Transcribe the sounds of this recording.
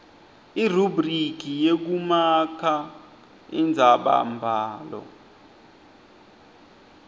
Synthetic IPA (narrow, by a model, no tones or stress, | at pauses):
irubrik̬ijek̬umakʰa | ind͡zʱaɓa̰mbʱaːlɔ̰